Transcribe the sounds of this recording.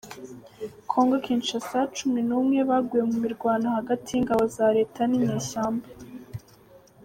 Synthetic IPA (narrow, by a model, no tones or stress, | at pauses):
kʰo̞ːŋɡokiːnt͡ʃasat͡ʃuminuːmŋe̞βaɡujemumiɾɡwaːnahaɡatʰijiŋɡaβo̞zaɾe̞ːtʰanimiːʃaːmba